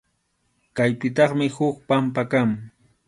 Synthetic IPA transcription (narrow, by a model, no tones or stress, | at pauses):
kajpɪt̪̬ɑχmɪhʊkpampakaŋ